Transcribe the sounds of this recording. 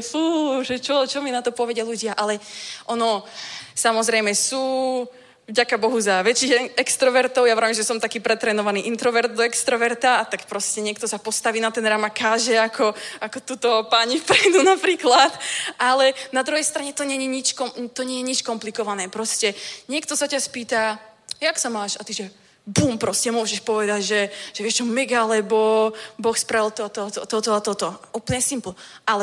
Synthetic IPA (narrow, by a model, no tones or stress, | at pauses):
fuʒɛt͡ʃɔt͡ʃɔminat̪ɔpɔʋɛɟaluɟɪaʔalɛʔɔnɔsamɔzɾɛjmɛsuː | vɟakabɔɦuzaʋɛt͡ʃiːxɛkst̪ɾɔʋɛɾt̪ɔʊjaʋɛɾimʒɛsɔmt̪akiːpɾɛt̪ɾɛːnɔʋaniːʔint̪ɾɔʋɛɾd̪̚d̪ɔɛkst̪ɾɔʋɛɾt̪aːt̪akpɾɔscɛɲɪɛkt̪ɔsapɔst̪aʋiːnat̪ɛnɾamakaːʒɛakʰɔakɔt̪uːt̪ɔpaɲifpɾɛjd̪unapɾiːklat̪ʔalɛnad̪ɾuɦɛjst̪ɾaɲɛt̪ɔɲɛjɛɲit͡ʃkɔmt̪ɔɲɛjɛɲit͡ʃkɔmplikɔʋanɛːpɾɔscɛɲɪɛkt̪ɔsacaspiːt̪ajaksamaːʃat̪iʒɛ | buːmpɾɔscɛmʊɔʒɛʃpɔʋɛd̪aɟʒɛʒ̥ɛʋɪɛʃt͡ʃɔmɛɡalɛbɔbɔxspɾaʋilt̪ɔt̪ɔt̪ɔt̪ɔt̪ɔat̪ɔt̪ɔaʔuːpl̩ɲɛsimplɔʔalɛ